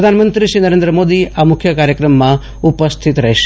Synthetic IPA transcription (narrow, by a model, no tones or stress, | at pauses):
əd̪ʱanmənt̪ɾiʃinəɾẽnd̪ɾəmod̪iamʊkʰːjəkaɾjəkɾəmːã | upəst̪ʰit̪ɾəɦeʃ